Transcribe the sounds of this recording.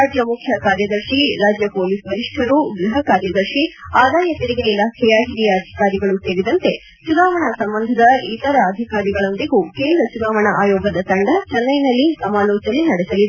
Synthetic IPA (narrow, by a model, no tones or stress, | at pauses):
aːd͡ʒjɐmukʰjɐkaːɾjɐd̪ɐɾʃiɾaːd͡ʒjɐpoːliːsbɐɾiʂʈʰɐɾuɡɾɐɦɐkaːɾjɐd̪ɐɾʃiaːd̪aːjɐt̪iɾiɡeilaːkʰɛjɐɦiɾijɐːd̪ʱi̥kaːɾiɡɐɭuseːɾid̪ɐnt̪e̞ | t͡ʃunaːʋɐɳɐsɐmbɐnd̪ʱɐd̪ɐit̪ɐɾɐːd̪ʱikaːɾiɡɐɭo̞nd̪iɡukeːnd̪ɾɐt͡ʃunaːʋɐɳɐʔaːjoːɡɐd̪ɐt̪ɐɳɖɐt͡ʃɐnːɐjnɐlːisɐmaːloːt͡ʃɐlinɐɽɛsɐlid̪